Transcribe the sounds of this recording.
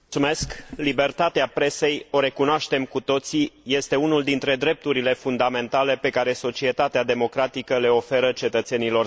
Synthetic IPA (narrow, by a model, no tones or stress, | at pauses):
sume̞sklibe̞rt̪at̪eapɾe̞se̞jo̞ɾe̞kunoaʃt̪e̞mkut̪o̞t̪sije̞st̪e̞unuld̪int̪ɾe̞d̪ɾe̞p̚t̪uɾile̞fund̪ame̞nt̪ale̞pe̞kaɾe̞so̞t͡ʃie̞t̪at̪ead̪e̞mo̞kɾat̪ikəle̞o̞fe̞ɾət͡ʃe̞t̪ət̪se̞nilo̞r